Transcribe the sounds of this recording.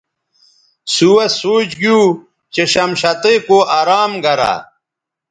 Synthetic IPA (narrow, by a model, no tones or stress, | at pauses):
suwɐsoːt͡ɕɡjuː | t͡ɕeɕɐmɕɐt̪ekoʔaɾaːmɡɐɾa̰